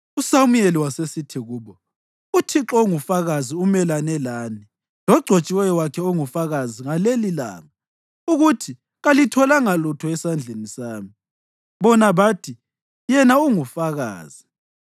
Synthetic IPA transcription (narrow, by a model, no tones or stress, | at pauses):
usamujeliwasesitʰiɣuːβɔ | utʰiǁɔŋufaɣaziumɛlanɛlaːni | lɔɡ͡ǀʱot͡ʃʼiwɛjɔwakʰɛɔŋufaɣaziŋalelila̰ːŋa | uɣutʰi | ɣalitʰɔlaŋalutʰɔɛsand͡ɮʱenisaːmi | βɔnaβatʰi | jɛnauŋufaɣa̰ːz̥i